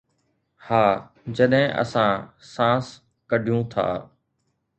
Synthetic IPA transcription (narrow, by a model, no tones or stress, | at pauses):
haː | d͡ʑəɗɦɪ̃ʔə̰sãːsãːs | kəɖʱijũːt̪ʰa̰ː